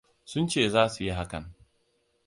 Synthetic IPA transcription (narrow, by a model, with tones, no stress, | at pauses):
sʊ˦nt͡ʃeː˦˨zaː˦su˨ji˦ɦa˦kɐ̰˨n